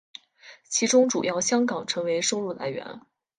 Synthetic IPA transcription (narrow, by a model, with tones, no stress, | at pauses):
t͡ɕʰi˧˥ʈ͡ʂʊ˥ŋʈ͡ʂu˨˩jɑ˥˩ʊɕjɑ˥ŋkɑ˨˩ŋʈ͡ʂʰɤ˧˥ŋwe˧˥ɪʂo˥ʊɻu˥˩la̰˧˥ɪɥɛ̰˧˥n